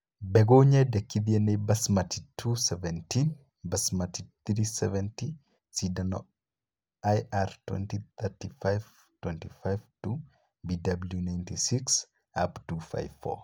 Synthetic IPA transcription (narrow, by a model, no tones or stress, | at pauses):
bɛɡoɲajdɐkːid̪iɐnebɐsmɐtʰi̥tʰusɛvɛntin | bɐsmatit̪ɾisɛvɛnti | sidɐnɔ̰ | ajʔaɾtwɛ̰ntit̪ɛɾtifajv | twɛntifajvtu | bidɐbljunajntisiks | a̰ptufa̰jvfɔ̰